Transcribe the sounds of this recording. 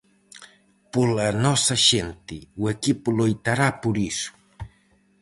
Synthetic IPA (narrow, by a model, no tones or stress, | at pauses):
pʊlanosaʃent̪ɪwekipʊlojt̪aɾapʊɾisʊ̥